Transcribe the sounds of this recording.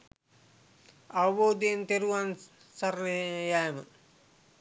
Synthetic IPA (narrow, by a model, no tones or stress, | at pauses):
aʋəboːd̪ejnt̪eɾuʋan | saɾnjajəmə